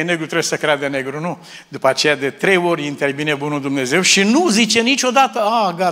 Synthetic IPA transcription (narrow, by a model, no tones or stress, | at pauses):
ne̞ɡɾut̪ɾebjesəkɾead̪ene̞ɡɾunu | d̪upəat͡ʃe̞jad̪e̞t̪ɾe̞jo̞ɾʲint̪ervinebunuld̪umne̞ze̞wʃinuzit͡ʃe̞nit͡ʃʲo̞d̪at̪əaɡa